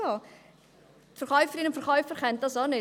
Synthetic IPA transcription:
o | tfəɾχɔʏfəɾɪnʊmfəɾχɔʏfəɾχɛnt̚dɑsɔnɪ

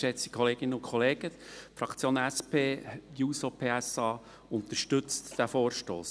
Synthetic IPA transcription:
ʃɛt͡si̥kʰɔleːɡ̥ɪnəʊkʰχɔleːɡəfɾɑkt͡sjoːnæspʰeːjuːsopʰeːæsɑː | ʊnt̪əʃtʏt͡std̪̥æfoːɾʃto̰ːs

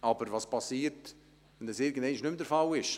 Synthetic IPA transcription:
ʔɑbəɾvɑspɑsiːɾt | ɛnd̪ɛsɪɾɡənd̪ɛɪnɪʃnʏmd̪əɾfɑlɪʃ

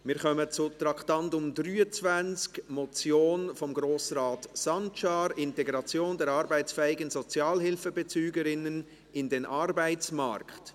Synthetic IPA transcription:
mɪːɾkœmət͡sʊtɾɑktɑntʊmdryːət͡sv̥ænt͡skmɔt͡sjoːnfɔmɡɾoːsɾaːtsɑnt͡ʃaːɾɪnteɡɾɑt͡sjoːndɛɾɑɾbæɪsfɛɪɡənz̥ɔt͡sjaːlhɪlfəbət͡syːɡəɾɪnən | ɪndenʔɑɾbæɪt͡sma̰ɾkt

